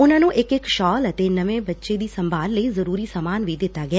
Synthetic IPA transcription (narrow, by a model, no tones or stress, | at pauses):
ʊnãːnũːʔɪkɪkʃɔːlət̪eːnəʋẽːbətːʃeːd̪iːsəmbʱaːlləiːzəɾuːɾiːsaːmaːnʋiːd̪ɪt̪ːaːɡɪaː